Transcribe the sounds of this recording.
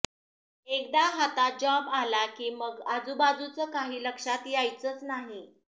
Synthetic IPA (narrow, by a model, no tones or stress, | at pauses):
ek̚d̪aɦat̪at̚d͡ʑɔbalakiːməɡad͡zubad͡zut͡səkaɦiːləkʂat̪jajt͡sət͡snaɦi